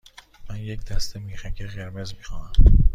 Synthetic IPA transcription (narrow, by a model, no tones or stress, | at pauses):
mænje̞cd̪æst̪emiːxæcʰeɣeɾme̞zmiːxɒːnæm